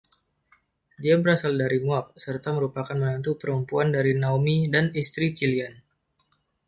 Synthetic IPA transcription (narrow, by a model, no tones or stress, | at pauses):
diabəɾasaldaɾimuap̚sərt̪aməɾupakanmənant̪upəɾəmpuandaɾinaomidanist̪ɾit͡ʃilian